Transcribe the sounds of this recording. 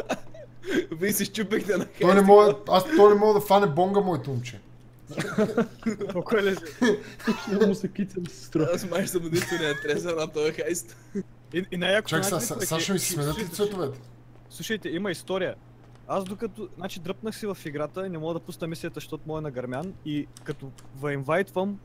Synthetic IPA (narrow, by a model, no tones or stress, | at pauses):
visɛʃt͡ʃupɛxt̪ɛnɐxɔjnɛmɔasɔjnɛmɔɡd̪ɐfanʲɛbɔŋɡɐmɔit̪umt͡ʃɛ | okɛlɛ | mʊsɛkit̪sʲɛmsst̪ɾɔasmaʃt̪ɐmoniʃt̪onɛɐt̪ɾɛsɛnɐt̪ɔjɐxajst̪ | iinajakʊ̥t͡ʃak̪asaɛʃɐmissmɛnət̪it̪svɛtt̪ʊvɛt̪ɛ̥ | slˠuʃəjt̪ɛimɐist̪ɔɾijə | azd̪okɐt̪onat͡ʃid̪ɾəp̚nəxsivɐfiɡɾat̪əinɛmɔɡəd̪ɐpusnɐmislijət̪əʃt̪ot̪mɔɛnɐɡɐɾmʲjanikɐt̪ovɐɛnvajt̪vɐm